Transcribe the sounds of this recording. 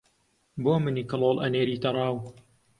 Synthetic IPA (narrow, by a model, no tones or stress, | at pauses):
boːmɨnikɨloːlˠʔɐ̰neːɾit̪ɐrˤɑːw